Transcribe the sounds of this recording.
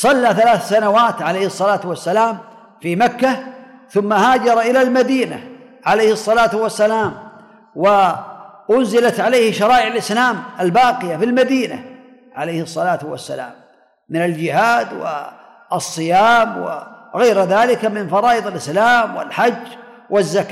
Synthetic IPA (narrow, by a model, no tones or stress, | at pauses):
sˤɑlːaːθalaːθsanawaːt̪ʕalejhɨsˤːɑlaːt̪wasːalaːm | fimakːaθʊmːahaːd͡ʒɑɾˤʔɪlalmad̪iːna̰ | ʕalejhɨsˤːɑlaːt̪wasːalaːm | wɪʔʊnzɪlat̪ʕalejhʃɑɾˤɑːʔɪʕalʔɪslaːmʔalbaːqɪjafilmad̪iːna̰ | ʕalejhɨsˤːɑlaːt̪wa̰sːa̰la̰ːmː | ɪnald͡ʒɪhaːd̪wɪ̰ | ɑsˤːɨjaːmwɪ̰ɣajɾðaːlɪkamɪnfɑɾˤɑːʔɨd̪ˤɪlʔɪslaːmwɪ̰lħad͡ʒː | wʔɪzːaka